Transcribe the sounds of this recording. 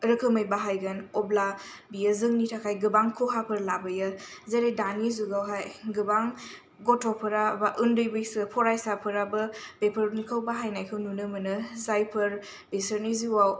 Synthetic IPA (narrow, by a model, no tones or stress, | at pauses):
ɾɯkʰɯməjbaɦajɡanɔbla | bijəzɯŋnitʰakʰajɡɯbaŋkʰuɦapʰɯɾlabɐjɐzeɾejdanizuɡawɦajɡɯbaŋ | ɡɔtʰɔpʰɐɾabaʔɯndɯjbɯjsɯpʰɔɾajsapʰɯɾabɐbepʰəɾnikʰawbaɦajnajkʰɯwnunɯmɯnɯzajpʰɐɾ | besɯɾniziwaw